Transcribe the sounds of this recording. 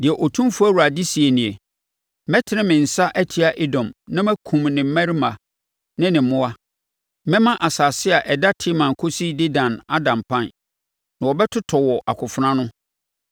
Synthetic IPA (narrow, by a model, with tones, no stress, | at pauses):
dɪ˨ɛ˨ʔɔ˨tʰũ˦mfu˦æ˦wu˨ɾa˨di˦si˨e˨nĩ˨e˨ | mɛ˦tʰɪ˦nɪ̃˦mɪ̃˨n̩˨sa˦ʔæ˦tʰi˨˦a˦˨ʔe˦dɔ̃˨mnã˦mɛ̃˦kʰũ˨mnɪ̃˨m̩˦mã˦ɾi˦mã˨ | nɪ̃˦nɪ̃˨m˨mʊ̃˦a˦ | mɛ̃˦mã˦ʔa˨saː˨sɪ˦a˨ʔɛ˨da˦tʰɪ˦mã˨ŋ˨kʰo˦si˦dɪ˦dã˨na˦dã˨mpʰã˦˨n | nã˨ɔ˨bɛ˦tʰʊ˦tʰɔ˨wɔ˨ʔa̰˨kʰʊ˨fʊ˦nã˦nʊ̃˦